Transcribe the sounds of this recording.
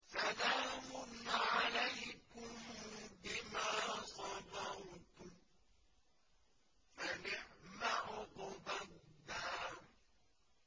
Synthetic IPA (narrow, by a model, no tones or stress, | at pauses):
salaːmʊnːaʕalejkʊmbɪmaːsɔbautu | fanɪħmaʔʊqɔbad̪a